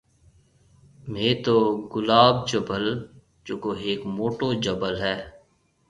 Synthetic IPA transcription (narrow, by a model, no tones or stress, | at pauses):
meːt̪oːɡʊlaːb̚d͡ʒəbəl | d͡ʒoːkoːeːkmoːʈoːd͡ʒəbəlɦɛː